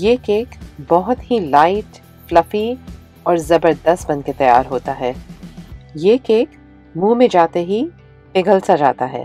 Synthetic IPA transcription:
jeːkeːkbɔɦʊt̪ɦilaːɪʈ | flɐfi | ɔːɾzɐbəɾd̪əst̪bɐ̃nket̪ɐja̰ːɾɦoːt̪aɦɛː | jeːkeːk | mũːmẽd͡ʒaːt̪eɦi | pɪɡəlsad͡ʒa̰ːt̪aɦɛ̰ː

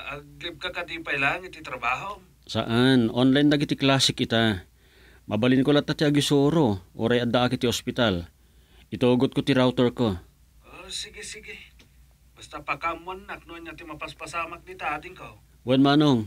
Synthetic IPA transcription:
ɐɡɪb̚kakɐd̪iːpɐjlaːŋɪt̪ɪt̪ɾɐbaːɦo | sa̰ʔanʔonlajnd̪aɡɪt̪ɪklaːsɪkɪt̪a | mʔɐbalɪnkolat̪ːat̪ɪaɡɪsoːɾoʔo̰ɾajɐnd̪aʔakɪt̪ɪospɪt̪al | ʔɪt̪oːɡot̪̚kot̪ɪɾawt̪oɹko | ʔosɪɡɪsɪɡɪ | bɐst̪apɐkamanːak̚nonat̪ɪmɐpɐspɐsaːmak̚nɪt̪aad̪ɪŋko | wanmanoŋ

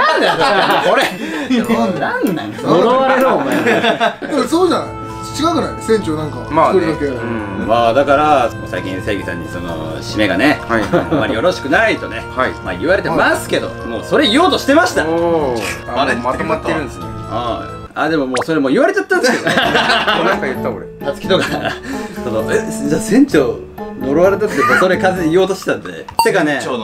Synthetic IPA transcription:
aakoɾe | nãnnːã̰ŋkasoɾoaɾeɾɯoma | esoːd͡ʑanaj | t͡ɕikakɯnajsẽɲt͡ɕonãŋkamaɾiokẽ | maːd̪akaɾaosa̰ikʲḭ̃se̞ːɡʲisã̰ɲ̟ːḭso̞no̰ | ɕime̞ɡa̰ne̞aamːaɾʲijo̞ɾo̞ɕi̥kɯ̟nait̪o̞ne̞hama̰ːɯβaɾe̞t̪̬emasɨ̥ke̞d̪o̞̰mo̰ːso̞ɾe̞io̞ːt̪o̞ɕi̥t̪e̞maɕi̥t̪a | maaemat̪ːeiɾɯ̃nd̪se | a | ad̪e̞mo̞moːso̞ɾe̞mo̞ːiβaɾe̞t͡ɕat̪ːãnd̪e | akat̪ːakoɾet̪at͡sɨ̥kʲi̥t̪o̞ka | so̞noed͡ʑaːsẽ̞ɲ̟t͡ɕo | no̞ɾoβaɾet̪at̪ːemoso̞ɾe̞kazeio̞ːt̪o̞ɕi̥e̥t̪and̪e̞̰t̪ːekane

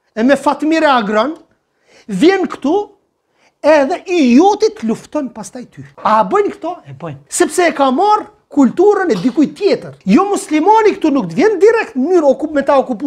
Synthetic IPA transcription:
ɛmɛfat̪miɾɛaɡɾɔn | vjɛnkt̪u | ɛðɛʔijɔt̪it̪əluft̪ɔnpast̪ajt̪ʰyabəjnkt̪ɔɛsɛpsɛɛkamar | kult̪uɾənɛd̪ikujt̪jɛt̪əɾjɔmuslimanikt̪unuk̚t̪əvjɛnd̪iɾɛkt̪mnyɾɔkumɛt̪aɔkup

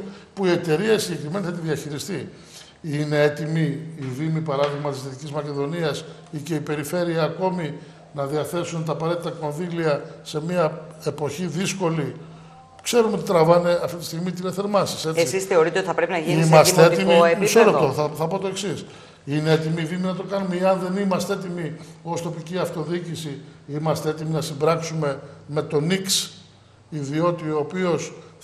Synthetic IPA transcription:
puie̞t̪e̞ɾiɐsiɟe̞kɾime̞niθɐt̪iðiɐçiɾist̪i | ine̞e̞t̪imiːðimipɐɾɐðiɣmɐt̪isit̪icizmɐce̞ðo̞niɐs | ice̞ipe̞ɾife̞ɾiɐːko̞mi | nɐðiɐθe̞sunt̪ɐːpɐɾe̞t̪it̪ɐko̞nðiliɐse̞miɐe̞po̞çiðisko̞li | kse̞ɾuneot̪it̪ɾɐvɐne̞ɐft̪it̪i̥st̪iɣmit̪ileθe̞ɾmɐsise̞eisisθe̞o̞ɾit̪eot̪iθɐpɾepinɐʝinimɐst̪eet̪imiisoɾept̪oθɐθɐpo̞t̪o̞e̞ksis | ineet̪imiðiminɐt̪o̞kɐnumeeɐnðe̞nimɐst̪eet̪imio̞st̪o̞piciɐft̪o̞ðiicisiimɐst̪eet̪iminɐsimbɾɐksume̞me̞t̪o̞niks | iðio̞t̪io̞ːpio̞s

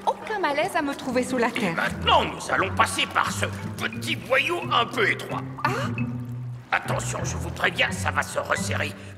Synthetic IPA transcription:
okʲɛ̃malɛzamət̪χuvesulat̪ɛmɛ̰̃t̪nɑ̃nuza̰lɔ̃pasepa̰ʁsəpət̪ibwajoɛ̃pøet̪χwa̰ | a | at̪ɑ̃sjɔ̃ʒəvupχevjɛ̃savasəʁə̰sḛʁe

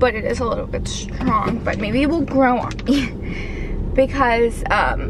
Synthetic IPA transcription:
b̥ʌɾɨɾɪ̰zəlɪɾl̩ˠbɪtstɹ̥ɔ̃ŋb̥ʌt̚meɪbit̚wɪlˠɡɹoʊə̰̃n | b̥ɨkʰʌz̥ʌ̰̃m

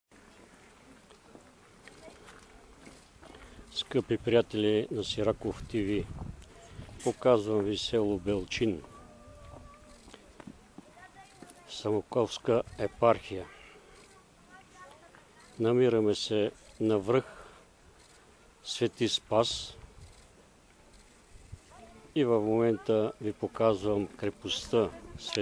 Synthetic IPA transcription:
skɤpipɾijat̪ɛlʲinɐsiɾakoft̪ivi | pokazvəmvisɛlˠobɛlˠt͡ʃin | sɐmokɔfskəɛpaɾxijə | nɐmiɾəmɛsɛnɐvɾɤx | svɛt̪ispas | ivɐfmomɛnt̪əvipokazvəmkɾɛpost̪əsvɛ

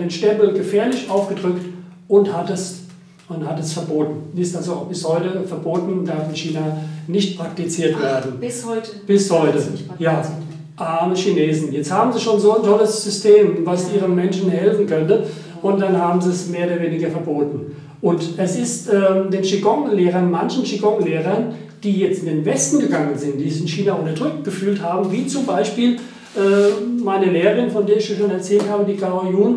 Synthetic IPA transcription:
deːnʃtɛmpl̩ɡəfɛːɐlɪçʔaʊfɡ̥ədʁʏktʔʊnthatɛs | ʊnthatɛsfɛɐboːtn̩ɪstalzob̥ɪshɔʏtəfɛɐboːtn̩daɐfɪnçiːnanɪçtpʁ̥ak̚tit͡siːɐtv̥eːɐdn̩ | b̥ɪshɔʏtə | jaː | ʔaːməʃineːzn̩jɛt͡sthaːbm̩ziʃoːnzoːntʰɔləsz̥ʏstʰeːmvasʔiːʁəmɛnʃn̩hɛlfn̩kʰœntə | ʔʊntd̥anhaːbm̩ziɛsmeːɐoːdɐveːnɪɡɐfɛɐboːtn̩ | ʔʊntɛsɪstʔɛːdeːnʃiɡɔŋleːʁɐnmançn̩ʃiɡɔŋleːʁɐnd̥iːjɛt͡stɪndeːnvɛstn̩ɡəɡaŋənzɪnt̚d̥iːçɪnçiːnaʔʊntɐd̥ʁʏk̚t̚ɡ̥əfyːlthaːbm̩viːt͡sʊmbaɪʃpiːl | ʔɛːmaɪnəleːʁəʁɪnfɔndeːɐɪçjaʃoːnɛɐt͡sɛːlthaːbədiːklajuːn

